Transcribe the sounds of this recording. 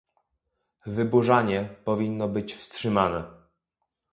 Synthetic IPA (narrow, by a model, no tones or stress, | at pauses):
vɘbuʐaɲɛpɔvʲinːɔbɘt͡ɕfstʂɘmanɛ